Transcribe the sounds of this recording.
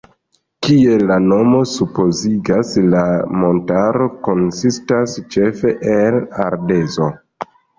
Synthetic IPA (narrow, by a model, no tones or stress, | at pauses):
kie̞lano̞mo̞supo̞ziɡaslamo̞ntaɾo̞ko̞nsistast͡ʃe̞fe̞ʔelaɾde̞zo̞